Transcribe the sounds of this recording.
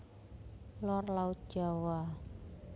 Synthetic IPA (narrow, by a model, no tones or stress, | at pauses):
lɔrlaʊt̪̚d̥ʒ̥a̤wa